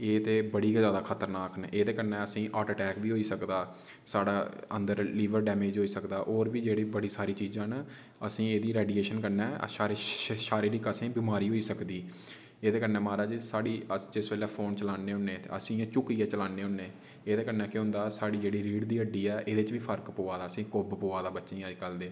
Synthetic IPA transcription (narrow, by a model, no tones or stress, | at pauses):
eːt̪eːbəɽiːkzjaːd̪aːkʰət̪əɾnaːkneːd̪eːkənɛ̃ːəsĩːʔaːʈəʈɛːkbiːɦoːiːsəkd̪aː | saːɽaːə̰nd̪əɾliːʋəɾɖɛːmeːd͡ʒɦoːiːsəkd̪aːʔoːɾbiːd͡ʒeːɽiːbəɽiːsaːɾiːt͡ʃiːzãːn | əsĩːeːd̪iːɾɛːɖiːeːʃənkəɾnɛːə̰ʃaːɾiʃaːɾiɾikəsĩːbiːmaːɾiːɦoːiːsəkd̪iː | eːd̪eːkənɛ̃ːmaːɾəːd͡ʒsaːɽiːəd͡ʒɪsbeːlɛːpʰoːnt͡ʃəlaːneːɦʊnːeːt̪ḛːəsĩːt͡ʃʊkiːɛːt͡ʃəlaːneːɦʊnːẽː | eːd̪eːkənɛ̃ːkeɦʊ̃nd̪aːsaːɽiːd͡ʒeːɽiːɾiːɖd̪iːəɖiːɛːʔeːd̪eːt͡ʃʋiːpʰəɾkpoːaːd̪aːəsĩːkoːbpoːaːd̪aːbətːʃẽĩːəd͡ʒkəld̪eː